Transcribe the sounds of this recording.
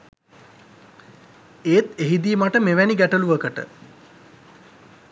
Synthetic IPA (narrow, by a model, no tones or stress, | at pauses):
eːt̪eɦid̪iːmaʈəmeʋæniɡæʈəluʋəkəʈə̰